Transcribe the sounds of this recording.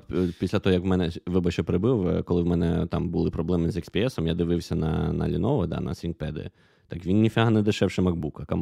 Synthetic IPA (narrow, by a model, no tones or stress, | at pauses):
pʲisʲlʲɐt̪ɔɦɔjɐkwmɛnɛʋɪbɐt͡ʃɔpɾɪbɪwkɔlˠɪwmɛnɛt̪ɑmbʊlˠɪpɾɔblˠɛmɪzɛkspʲiɛsɔmjad̪ɪʋɪwsʲɐnɐ̰nɐ̰lʲinɔʋɐd̪ɑ̰nɐ̰sʲink̚pɛd̪ɪ̰ | t̪ɑkʋʲinːʲifʲɐɦɐnɛd̪ɪʃɛwʃɪmɐɡbukɐkɐm